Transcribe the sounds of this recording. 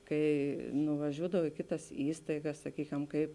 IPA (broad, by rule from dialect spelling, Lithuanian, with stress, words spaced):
ˈkɐɪ nʊʋɐˈʒʲuːdɐw ɪ ˈkʲɪˌtɐs ˈiːstɐɪɡɐs sɐˈkʲiːkʲɛm ˈkɐɪp